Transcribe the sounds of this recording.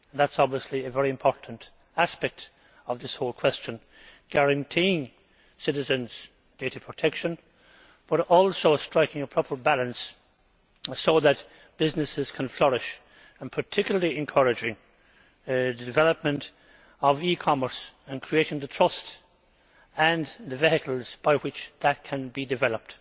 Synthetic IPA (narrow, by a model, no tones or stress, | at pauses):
ə̃nðætsɑbviəsliɨvɛɹiɨ̃mpʰɔɹʔn̩t | æspɛk̚t | ʌvðɪshoʊlˠkʰw̥ɛst͡ʃə̃n | ɡ̥æɹɨ̃ntʰiɪ̃ŋ | sɪɾɨzɨ̃nz̥ | d̥eɪɾəpʰɹ̥ətʰɛkʃə̃n | b̥ʌɾɔlˠsoʊstɹ̥aɪkɪ̃ŋəpʰɹ̥ɔpʰə˞bælə̃ns | soʊðət̚ | b̥ɪznɨsɪz̥kʰə̃nflʌɹɪʃ | ə̃npʰə˞tʰɪkjʊl̩ˠəliɨ̃nkʰʌɹɨd͡ʒɪ̃ŋ | ðɨdɨvɛləp̚mə̃nt | ʌvikʰɑmə˞sə̃nkʰɹ̥ieɪɾɪ̃ŋðətʰɹ̥ʌst | ə̃nðɨviɦɪkəl̩ˠz̥b̥aɪwɪt͡ʃðət̚kʰə̃nbidɨvɛlˠəp̚t